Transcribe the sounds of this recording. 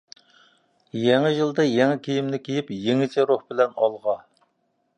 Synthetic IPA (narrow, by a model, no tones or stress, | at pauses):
jɛŋɪʒɨlˠd̪ɑjɛŋɛkʲʰejimnɪkʲʰejipjeŋɪt͡ʃʰɛɾohbɪlɛnɑlˠʁɑ